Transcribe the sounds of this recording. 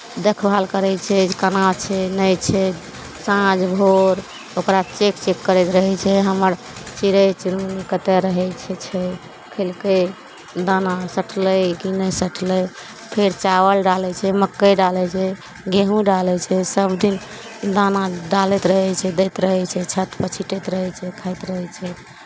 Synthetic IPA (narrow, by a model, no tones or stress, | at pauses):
d̪ekʰbʱalkəɾɛt͡ʃʰɛd͡ʒkənat͡ʃʰɛnəjt͡ʃʰɛ | sãd͡ʒbʱoɾ | okɾat͡ʃekt͡ʃekːəɾɛt̪ɾəɦɛt͡ʃʰɛɦəməɾ | t͡ʃiɾəjt͡ʃiɾunkət̪ɛɾəɦɛt͡ʃʰɛt͡ʃʰɛ | kʰelke | d̪anasəʈʰləjɡinəsəʈʰləj | pʰeɾt͡ʃawəlɖalɛt͡ʃʰɛməkːəjɖalɛt͡ʃʰɛ | ɡeɦũɖalɛt͡ʃʰɛsəbd̪in | d̪anaɖalɛt̪ɾəɦɛt͡ʃʰɛd̪ɛt̪ɾəɦɛt͡ʃʰɛt͡ʃʰət̪pət͡ʃʰiʈet̪ɾəɦɛt͡ʃʰɛkʰajt̪ɾəɦɛt͡ʃʰɛ